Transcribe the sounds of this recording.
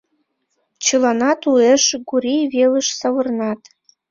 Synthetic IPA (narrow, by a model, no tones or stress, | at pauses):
t͡ɕəlɑnɑt̪ueʃɡuɾʲijβelə̆ʃsɑβə̆rnɑt̪